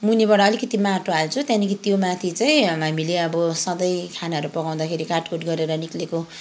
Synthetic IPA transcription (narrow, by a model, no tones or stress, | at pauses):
munebaʈʌːlikʌt̪imaʈoalt͡sʰũt̪jãnikʰit̪jomat̪ʰit͡saj̃ɦamileʌbʌsʌd̪ʌjkʰanaɦʌɾupʌɡaw̃d̪akʰeɾikaʈkoʈɡʌɾeɾʌnikleko